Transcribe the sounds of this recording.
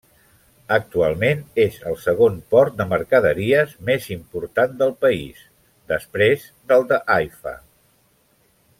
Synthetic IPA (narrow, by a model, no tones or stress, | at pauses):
ək̚t̪ualˠmenezəlˠsəɣ̞onpɔɾt̪̚d̪əməɾkəðəɾiəzmezimpuɾt̪and̪əlˠpəḭs | d̪əspɾez | d̪əlˠd̪əʔajfə̰